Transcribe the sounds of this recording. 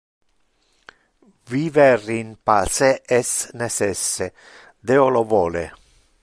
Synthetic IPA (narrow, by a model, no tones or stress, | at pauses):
viːverinpaseɛsnesɛsːe | d̪eolovoːle